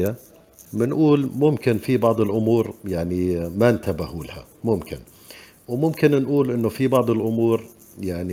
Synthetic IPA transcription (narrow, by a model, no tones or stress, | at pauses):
a | mɪnʔuːlmʊmkɪnfibɑʕd̪ˤɪlʔʊmuːɾjaʕnimant̪abahuːlha̰ | mʊmkɪn | wmʊmkɪnnʔuːlʔɪnːʊfibɑʕd̪ˤɪlʔʊmuːɾ | jaʕni